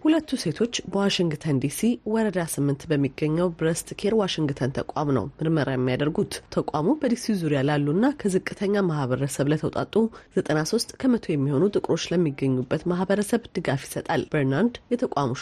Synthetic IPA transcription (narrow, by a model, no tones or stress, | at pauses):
hulət̪ːuse̞t̪ʰo̞t͡ʃːbəwaʃiŋɡt̪ʰənd̪isiwɔɾəd̪asɨmːɨnt̪bəmːiɡːəɲːəwbɾəst̪kʰe̞ɾwaʃɪŋɡt̪ʰənt̪ʰəkʷʼa̰mnə̰wmɨɾməɾajɛmːijad̪əɾɡut̪t̪ʰəkʷʼamubəd̪isizuɾijalalːunːakʰəzɨkʼːɨt̪ʰəɲːamahβəɾəsəβlət̪ʰəwt̪ʼa̰t̪ʼːuz̥ət̪ʼənaso̞st̪ʼkʰəmət̪ʰo̞jɛmːiho̞nut̪ʼɨkʼɾo̞t͡ʃːləmːiɡːəɲːubːət̪mahbəɾəsəβd̪ɨɡafjisət̪ʼalb̥əɾnand̪jɛt̪ʰəkʼamu